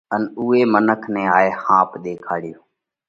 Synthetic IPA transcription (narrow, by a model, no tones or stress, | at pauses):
ənuːeːmənəkʰnɛ̃ːaːeːhãːpɗ̪eːkʰaːɽjoː